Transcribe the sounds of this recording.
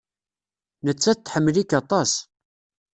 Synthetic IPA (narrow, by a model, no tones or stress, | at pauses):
nət͡sːæt̪ːħəmːlikɑt̪ˤɑs